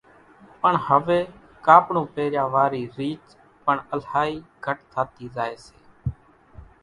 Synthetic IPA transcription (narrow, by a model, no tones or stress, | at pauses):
pəɳhəʋeː | kaːpɳõːpeːɾjãːʋaːɾiːɾiːt͡ʃ | pəɳəlhaːiːɡʱəʈt̪ʰaːt̪iːzaːeːseː